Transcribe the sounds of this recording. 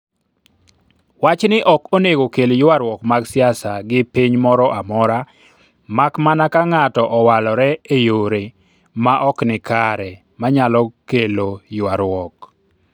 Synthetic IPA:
wat͡ʃnɪʔɔkoneɡokeljʊwaɾwɔkmaɡsɪasaɡɪpiɲmɔɾɔʔamɔɾa | makmanakaŋatɔʔɔwalɔɾɛejoɾe | maʔɔknɪkaɾɛ | maɲalɔkelojʊwaɾwɔk

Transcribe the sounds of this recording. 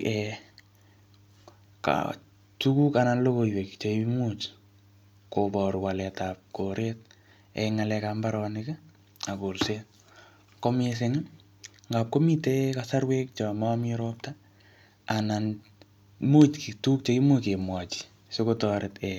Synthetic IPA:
ɛ | ka̰ | tukukananlokoiwekt͡ʃoimut | kopɔɾwalɛtap̚koɾet̚ | ɛ̰ŋalɛkambaɾɔnɪkɛ | akolse | komes̬eŋɪ | ŋɡap̚komitɛkasarwek̚t͡ʃamamiɾɔp̚ta | anan | mutkituk̚t͡ʃoimukemwat͡ʃi̥ | sekotɔɾʔetɛ

